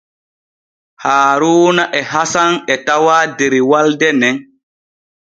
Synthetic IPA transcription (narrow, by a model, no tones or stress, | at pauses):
haːɾuːnaʔɛɦasanɛtawaːdeɾiwaldɛnɛn